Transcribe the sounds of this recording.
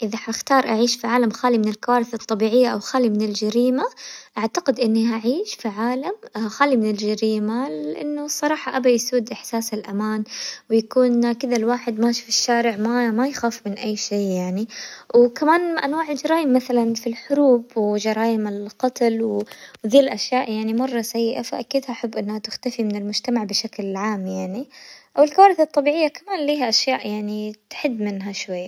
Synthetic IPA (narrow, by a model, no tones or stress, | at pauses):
ʔɪðaħxt̪ɑːɾˤʔaʕiːʃfiʕaːlamxaːlimɪnɪlkawaːɾɪθɨt̪ˤːɑbiːʕɪjːaʔawxaːlimɪnɪld͡ʒaɾiːmaʔaʕt̪aqɪd̪ʔɪnːihaʕiːʃfiʕaːlamxaːlimɪnɪld͡ʒaɾiːmalɪʔa̰nːʊsˤɑɾˤɑːħɑʔabajsuːd̪ʔɪħsaːsɪlʔamaːnwjakuːnkɪðalwaːħɪd̪maːʃfɪʃːaːɾɪʕmamajxaːfmɪnʔajːʃeːjaʕniwkamaːnʔanwaːʕɪld͡ʒɑɾˤɑːjɪmːaθalanfilħʊɾuːbwd͡ʒɑɾˤɑːjɪmɪlqɑt̪lwwðiːllʔaʃjaːʔjaʕnimɑrˤːɑsajːɪʔafaʔakiːd̪haʔaħabːʔɪnːhat̪ɪxt̪afimɪnɪlmʊd͡ʒt̪amaʕbɪʃaklʕaːmjaʕniʔawɪlkawaːɾɪθɑt̪ˤːɑbiːʕɪjːakamaːnliːɦaʔaʃjaːʔjaʕnit̪ħɪd̪ːmɪnɦaʃwajːa